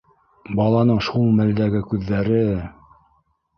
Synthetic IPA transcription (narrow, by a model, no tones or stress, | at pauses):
bɑlˠɑnɤɴʃulˠmæld̪æɡɘkʉðːæɾɘ